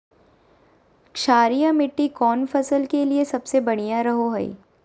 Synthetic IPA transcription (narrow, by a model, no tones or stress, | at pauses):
kʃaːɾijamɪʈːikɔːnfɐsəlkeliesɐbsebɐɽ̃ijaɾɐɦoɦɛḭ